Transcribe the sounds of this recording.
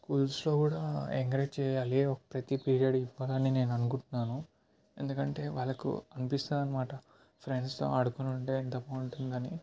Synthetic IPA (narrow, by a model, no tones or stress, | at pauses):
kuːlslo̞ːkuːɽaːeŋkɾeːd͡ʒt͡ʃɛːjaːleɔkɐ̥pɾɐt̪ipiːɾijɐɽiʋːaːlɐnːine̞ːnuɐnukuɳʈunːaːnu | e̞nd̪ukɐɳʈe̞ːʋaːɭːɐkṵɐnipist̪aːɾɐnːɐmaːʈɐ | pʰɾeɳɖst̪o̞̰ːaːɽukunuɳʈeːint̪ɐpːɐuɳʈund̪ɐni